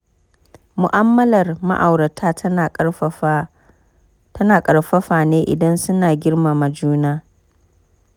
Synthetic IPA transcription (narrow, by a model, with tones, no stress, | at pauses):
mʊ˨ʔa˦mːɐ˦lɐ˨rma̰˦ʔa˨wɾɐ˨tʰaː˦t | tʰɐ˦naː˨kʼɐ˨ɽɸɐ˦ɸaː˨neː˦ʔɪ̰˨dɐ˦nsʊ˦naː˨ɡʲɪ˦rmaː˨ma˨d͡ʒuː˦naː˦